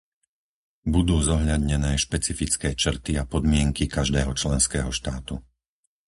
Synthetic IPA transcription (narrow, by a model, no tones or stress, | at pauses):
bud̪uːzɔɦʎad̪ɲɛnɛːʃpɛt͡sifit͡skɛːt͡ʃr̩t̪iapɔd̪mɪɛŋkikaʒd̪ɛːɦɔt͡ʃlɛnskɛːɦɔʃt̪aːt̪u